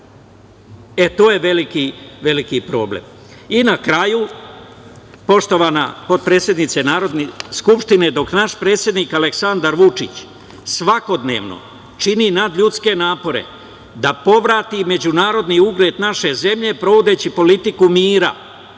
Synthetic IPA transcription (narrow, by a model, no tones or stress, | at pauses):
e̞t̪o̞ːje̞ʋe̞likiʋe̞likipɾo̞̰ːblḛm | inakɾaju | po̞ʃt̪o̞ʋana̰po̞d̪̚pɾeːsje̞d̪nit̪senaːɾo̞d̪neskupʃt̪ine̞d̪o̞knaʃpɾe̞ːt̪sje̞d̪niːkaleksand̪aɾʋut͡ʂit͡ɕ | sʋako̞d̪ne̞̰ːʋno̞̰ | t͡ʃininad̪ʎut̪ske̞naːpo̞ɾe̞̰ | d̪apo̞ʋɾaːt̪ime̞d͡ʑunaːɾo̞d̪niuɡɾe̞ːt̪naʃe̞ze̞mʎe̞pɾo̞ʋod̪e̞ːt͡ɕipo̞lit̪ikumiːɾa̰